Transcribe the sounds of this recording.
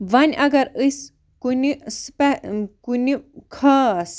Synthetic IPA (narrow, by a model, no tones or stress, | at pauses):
ʋɐnʲɐɡɐɾəs | kunispɛkunikʰas